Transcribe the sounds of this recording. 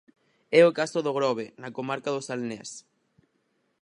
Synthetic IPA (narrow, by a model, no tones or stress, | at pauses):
ɛokasoðoɣɾɔβenakomaɾkaðosalnɛ̰s